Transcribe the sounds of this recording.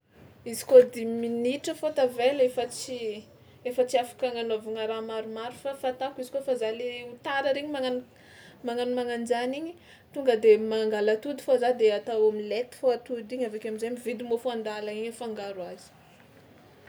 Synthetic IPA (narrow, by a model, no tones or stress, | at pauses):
izi̥kod̪iminiʈ͡ʂəfot̪avelefət͡si | efət͡siafḁkaŋanovuŋaɾamaɾumaɾufafat̪akuizi̥kofazaleut̪aɾəɾeɲimaŋan | maŋanumaŋand͡ʒaniɲi | t̪uŋɡəd̪emaŋɡalət̪ud̪i̥fozad̪eat̪awamilet̪i̥foat̪ud̪iɲavekʲamizamivid̪imofuand̪alaiɲəfaŋɡaɾuazi̥